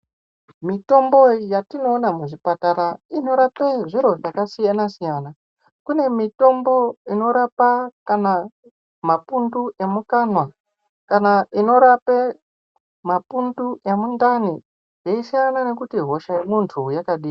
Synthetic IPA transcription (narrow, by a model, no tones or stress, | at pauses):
mito̞mbo̞jatino̞ːnamuʐipataɾaino̞ɾapeʐiɾo̞ʐakasijanasijana | kune̞mito̞mbo̞ino̞ɾapakana | mapunduʔe̞mukanwa | kanaʔino̞ɾape | mapunduʔemundani | jeisijanane̞kutiɦo̞ʃajemuntʰujakaɗiː